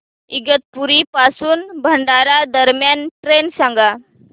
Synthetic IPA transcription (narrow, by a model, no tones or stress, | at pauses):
iɡət̪̚puɾipasuːnbʱəɳɖaɾad̪əɾmjanʈɾensãŋɡa